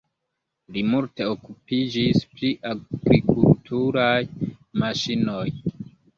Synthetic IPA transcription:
limulte̞okupid͡ʒispliʔaɡɾikultʰuɾajmaʃino̞j

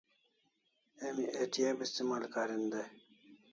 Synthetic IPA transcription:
emiʔeːʈʰijeːbist̪emaːlkaːɾind̪e

